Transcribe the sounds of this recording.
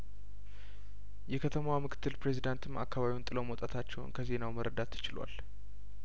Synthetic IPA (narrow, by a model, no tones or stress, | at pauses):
jɛkʰət̪ʰəmwamɨkʰɨ̥t̪ʰːɨlpɾe̞zid̪ant̪ʰɨmakʰːaβaβiwunt̪ʼɨlomot̪ʼat̪ʰat͡ʃːɛwʊ̰nkʰəze̞nawməɾəd̪at̪ʰːɨ̥t͡ʃɪlwa̰l